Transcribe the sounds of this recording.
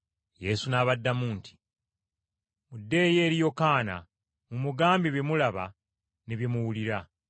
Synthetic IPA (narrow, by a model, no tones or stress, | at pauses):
je̞sunaːβadːamuːnti̥ | mudːe̞ːje̞ːɾijo̞kaːna̰ | mumuɡaːmbiβjemulaβa̰ | neβjemuwuliɾa